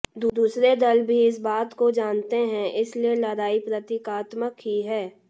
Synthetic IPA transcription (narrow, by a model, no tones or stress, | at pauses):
d̪ud̪uːsɾed̪ɐlbʱiɪs̬baːt̪kod͡ʒaːnt̪eɦɛ̃ʔɪslielɐɾaːipɾɐt̪ikaːt̪məkɦiɦɛː